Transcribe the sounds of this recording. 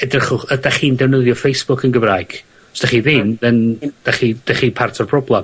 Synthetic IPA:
ɛdrəχʊχədaχiːndɛwnəðjɔfejsb̥ʊkʰənɡəvraːjɡ̥ | sd̥aχiːðɪnðɛnd̥aχid̥aχiːpʰartʰɔrpʰrɔblˠam

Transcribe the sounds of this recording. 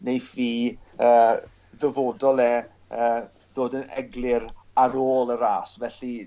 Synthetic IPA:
nejfiːəː | ðəvoːdɔlˠɛ | əː | ðoːdənɛ̰ɡlˠɪɾaɾoːlˠəɾaːsvɛɬi

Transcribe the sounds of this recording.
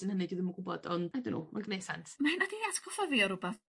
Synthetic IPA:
ənhənɨdiðɪməɡʊbɔdɔndadɪnṵːmanɡnesantʰmahinadiatɡɔfɔviɔɾʊba

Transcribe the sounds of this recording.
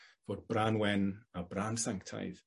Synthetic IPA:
v̥oːd̚braːnwɛnabraːnsaŋktʰa̰jð

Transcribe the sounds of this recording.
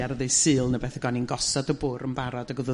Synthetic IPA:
aɾəðejsɨːlˠnəbɛθəɡɔninɡɔsɔdəbʊɾəmbaɾɔdəɡʊðə

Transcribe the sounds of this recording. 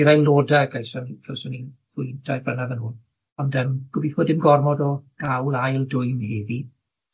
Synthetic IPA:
ɾajlˠoːdaɡajsanikʰɛwsɔnið̥ʊjntʰajbrənaðənhuːn | ɔndəmɡ̥ʊbiθvɔdɪmɡɔrmɔdɔɡ̥awlˠajlˠdʊjmheːði

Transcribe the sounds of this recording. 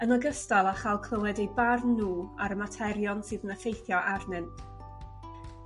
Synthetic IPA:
ənɔɡəstalˠaχalˠkʰlˠəwɛdejbarnuːaɾəmatʰɛɾjɔnsɨːðənəfejθjɔʔarnɛnd̥

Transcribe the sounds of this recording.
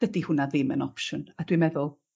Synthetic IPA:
ədihʊnaðɪmə̰nɔpʃʊnadwimɛðʊlˠ

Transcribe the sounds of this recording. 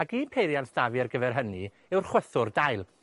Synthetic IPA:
aɡiːnpʰejɾjantsd̥aviarɡəvɛrɦəni | ɨwrχwəθʊrdaɨlˠ

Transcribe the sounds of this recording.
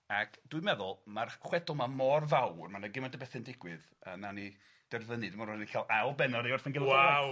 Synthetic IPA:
akʰd̥wʊɨjmɛðʊlˠmarχwɛdɔmamɔrvawrmanəɡɪmandəbɛθɛndɪɡwɨð | ənani | d̥ɛrðənɨdmanɔnikʰalˠawlˠbɛnɔɾejʊrθənɡɪlˠɔa

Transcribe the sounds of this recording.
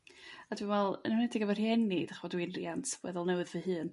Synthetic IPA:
adwɨnwvɛlˠə̰nhʊnɛdɪɡavarjɛnid̥aχvɔdwɪnriantʰwɛ̰ðɔlˠnɛwɨðvəɦɨːn

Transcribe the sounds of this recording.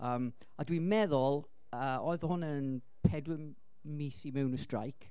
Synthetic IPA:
əːm | adwimɛðʊlˠ | əɔːɨðhʊnən | pʰɛdwɪ | misimɛwnəstra̰jkʰ

